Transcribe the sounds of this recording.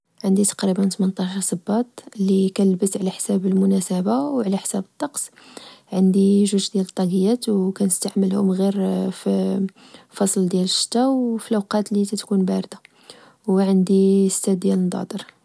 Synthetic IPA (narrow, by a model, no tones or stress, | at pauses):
ʕənd̪it̪ɑ̥qɾibənt̪mənt̪ˤɑʃɑɾˤsˤəbːɑt̪ˤlːikænəlbəsʕlæħsæbəlmʊnæsəbawʕlæħsæbət̪ˤːɑqsʕənd̪iʒʊʒd̪jælət̪ˤːɑɡəjæt̪wkænəst̪aʕməlhʊmɣiɾfi | fɑsˤld̪jæləʃːə̥t̪ːæwfilʔæwqɑt̪lit̪æt̪kunbæɾd̪a | wʕənd̪iəst̪æd̪̚jæləd̪ˤɑ̰d̪əɾ